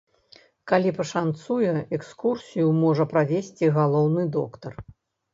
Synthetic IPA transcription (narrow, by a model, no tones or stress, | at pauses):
kalʲipɐʂant̪sujɛɛkskursʲijumɔʐɐpɾavʲesʲt͡sʲiɣalˠɔwnɨd̪ɔkt̪ɐr